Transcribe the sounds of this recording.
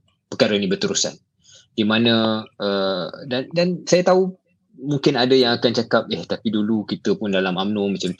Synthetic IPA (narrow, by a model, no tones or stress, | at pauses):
pəkaɾainĩbərt̪əɾusa̰n | d̥imanə̃ʔədandansajat̪au | muŋkɪnadəjaŋakant͡ʃakap̚əht̪apidulukit̪əpʊndalamamnõmãt͡ʃam